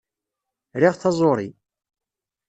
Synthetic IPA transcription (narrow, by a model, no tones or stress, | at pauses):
ɾiʁθɑzˤoɾˤi